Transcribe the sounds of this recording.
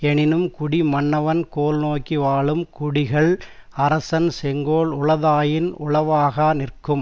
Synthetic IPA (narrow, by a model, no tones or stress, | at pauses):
ɛɳɪnɯmkʊɽimɐɳːɐʋɐnkoːlnoːkːiʋaːɭɯmkʊɽɪɣɐɭɐɾɐsɐnsɛŋɡoːɭʊɭɐðaːjɪnʊɭɐʋaːɣɐnɪrkɯm